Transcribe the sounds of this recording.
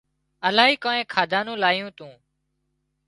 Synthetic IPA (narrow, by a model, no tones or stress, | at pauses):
əlaːɦiːkoːẽːkʰaːd̪aːnũːlaːjũːt̪ũː